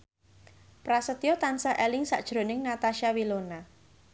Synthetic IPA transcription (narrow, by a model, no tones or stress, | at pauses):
pɾasət̪jot̪ansaʔɛlɪŋsa̰ʔd̥ʒ̥ɾo̤nɪŋnat̪aʃawilona